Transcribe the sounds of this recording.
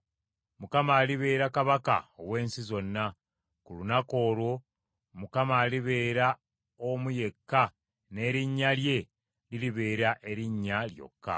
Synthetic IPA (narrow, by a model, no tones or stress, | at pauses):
mukamaːliβe̞ːɾakaβaka̰oβwe̞ːnsizo̞nːa | kulunako̞ːlwo̞ | mukamaːliβeːɾa | omuje̞kːa | ne̞ːɾiɲːalje̞ | liliβe̞ːɾaʔe̞ɾiɲːaljo̞̰kːa̰